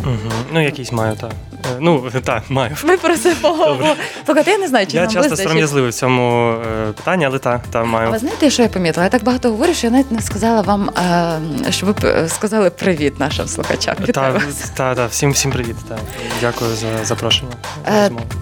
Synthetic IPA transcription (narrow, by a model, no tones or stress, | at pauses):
m̩ɦm̩nujɐkʲisʲmɑjʊt̪a | nut̪amɑjʊʋɪpɾɔsɪpɔɔɔb̪ˠ | ukat̪ɪjanɛznajʊt͡ʃɪaɐt͡ʃassɪzɔsɐɾɐmjɐzlˠɪʋɪwt͡sʲɔmʊpɪ̥t̪anʲːiɐlˠɛt̪at̪amajʊɪznajɪt̪ɛjaʃt͡ʃɔjapɐmʲit̪ɪlˠɐjat̪aɡ̚bɐɦɑt̪ɔɦɔʋɔɾʲʊʃt͡ʃɔjɐnait̪̚ʲnɛskɐzɑlˠɐʋɑm | ʃt͡ʃɔʋɪskɐzɑlˠɪpɾɪʋʲit̪nɑʃɪ̰mslˠʊxɐ̰t͡ʃa̰mʋʲid̪t̪ɾɪʋɐt̪ad̪afsʲimwsʲimpɾɪʋʲit̪t̪adʲakʊjʊzɐzɐpɾɔʃenʲːɐmajʊ